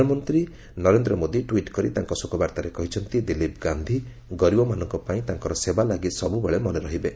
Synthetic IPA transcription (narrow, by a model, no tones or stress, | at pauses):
ɔmɔnt̪ɾi | nɔɾend̪ɾɔmod̪iʈwiʈkɔɾit̪aŋkɔsukɔbaɾt̪aɾekɔɦit͡ʃʰɔnt̪id̪ilipɡand̪ʱi | ɡɔɾibɔmanɔŋkɔpaĩt̪aŋkɔɾɔsebalaɡisɔbubeɭemɔneɾɔɦibe